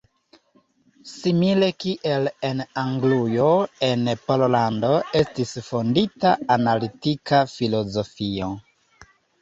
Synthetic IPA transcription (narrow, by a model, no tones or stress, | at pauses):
simile̞kiʔe̞le̞naŋɡlujo̞e̞npololando̞e̞stisfonditaanalitikafilo̞zo̞fio̞